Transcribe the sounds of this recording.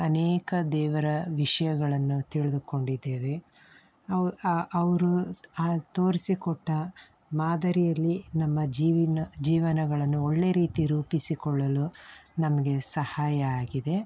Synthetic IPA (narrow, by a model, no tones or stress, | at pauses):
ɐneːkɐd̪ɛːʋɐɾɐʋiʂɐjɐɡɐɭɐnːut̪iɭid̪uko̞ɳɖid̪ːeːʋe̞ | ɐɐʋɐɾu | t̪o̞ːɾisikɔʈːɐ | maːd̪ɐɾijɐlːinɐmːɐd͡ʒiːʋinɐd͡ʒiːʋɐnɐɡɐɭɐnːuoɭːe̞ɾiːt̪iɾuːpisikɔɭːɐlunɐmɐɡe̞sɐhaːjɐaːɡid̪e̞